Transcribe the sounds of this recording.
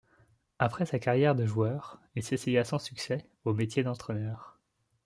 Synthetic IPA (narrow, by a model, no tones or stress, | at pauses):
apχɛsakaʁjɛʁd̪əʒuœːʁilsesejasɑ̃syksɛ | omet̪jed̪ɑ̃t̪χɛnœːʁ